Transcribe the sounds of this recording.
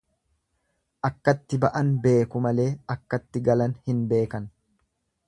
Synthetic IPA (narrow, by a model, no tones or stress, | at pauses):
ʔɐkːɐt̪ːɪbɐʔɐnbe̞ːkʊmɐle̞ːɐkːɐt̪ːɪɡɐlɐnhɪnbe̞ːkɐn